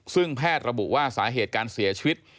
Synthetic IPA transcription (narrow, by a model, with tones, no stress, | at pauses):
sɯ˥˩ŋpʰɛː˥˩t̪̚ɾa˧bṵ˨˩ʔwaː˥˩saː˩˦ɦeː˨˩t̪̚kaː˧nsi˩˦ɐt͡ɕʰi˧wi˦˥t̪̚